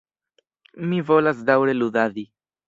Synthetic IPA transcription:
mivo̞lasd̪awɾe̞lud̪adi

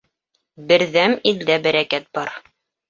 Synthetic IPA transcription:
bɘ̆ɾðæmild̪æbæɾækæt̪̚bɑɾ

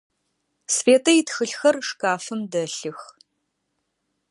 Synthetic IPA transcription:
sfeːtʰɐjɪtxɨɬxɐrʂkaːfɨmdɐɬɨx

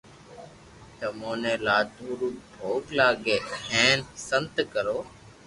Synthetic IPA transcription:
t̪əmoːnẽːlaːt̪uːɾuːbʱoːklaːɡeːẽːnsənt̪kəɾoː

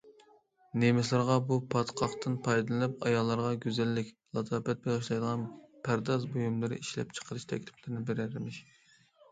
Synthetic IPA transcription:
nemɪslˠɨɾʁɑbupʰɑt̪qʰɑχt̪ʰɨnpʰɑjd̪ɨlˠɨlɨp̚ɑjɑlˠːɑɾʁɑɡʲøzɛlːɪkʲ | lˠɑt̪ʰɑpɛt̪̚beʁɨʃlˠɑjd̪əʁɑnpʰæɾd̪ɑzbojumlˠɨɾɨ̰ʔiʃlɛ̰p̚t͡ʃʰə̥qʰəɾɨʃt̪ʰɛ̰kʲt̪ʰɪ̥pʰlɪɾɪnɪbeɾæɾɪmɪʃ

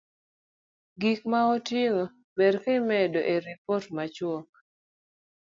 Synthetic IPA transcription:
ɡikmaɔtiŋo | bedkemɛdoʔeɾipɔrtmat͡ʃwɔk̚

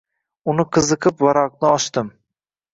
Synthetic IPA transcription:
ʊnɪqʰɨzɨqʰɨpvaɾɒq̚nɪɒʃt̪ɪm

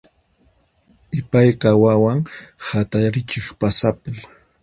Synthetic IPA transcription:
ɪpajqawawaŋhat̪aɾɪt͡ʃɪχpasapɪm

